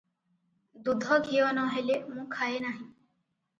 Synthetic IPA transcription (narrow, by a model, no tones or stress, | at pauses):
d̪uːd̪ʱɔɡʱiːonɔ̃ːɦelemũːkʰaːeːnaːɦĩː